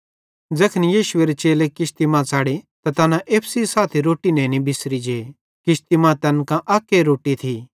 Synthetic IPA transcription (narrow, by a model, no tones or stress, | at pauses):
d͡zɐkʰnijiːʃʊeɾet͡ʃeːlekɪst̪imãt͡saːɽet̪at̪ɐnãʔeːpʰsisaːt̪ʰiɾoːʈinɛ̃nĩbʱɪsɾid͡ʒeː | kɪst̪imãt̪ɛnkãʔaːkːeɾoːʈit̪ʰi